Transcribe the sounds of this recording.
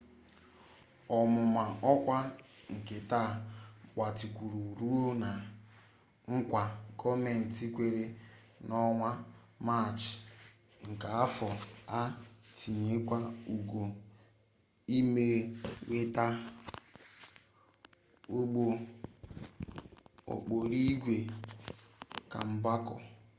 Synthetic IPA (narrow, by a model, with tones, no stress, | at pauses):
ɔ˨mʊ˨ma˨ɔ˦kʷa˦ | ŋ̩˨ke˨ta˦˨k͡pa˨ti˨kʷu˨ɾu˨ɾu˦o˦na˨ | ŋ̩˦kʷa˨kʰɔ˦me˦˨n̩˨ti˦kʷe˦ɾe˦ | nɔ˦ŋʷa˦ | ma˦˨t͡ʃ | ŋ̩˨ka˨a˦fɔ˨a˦ti˨ɲe˨˦kʷa˦u˨ɡo˨ | i˦me˦we˦ta˦ | o˦ɡ͡bo˦ | o̰˨k͡po˨ɾi˦ɡʷe˨ | ka̰˨m̩˨ba˦kɔ̰˨